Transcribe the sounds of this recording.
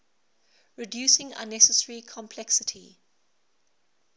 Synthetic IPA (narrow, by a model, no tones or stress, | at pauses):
ɹɪdjuːˑsɪ̃ŋã̰nːɛsəsəɹikʰɔ̃mpʰlɛksɪtʰi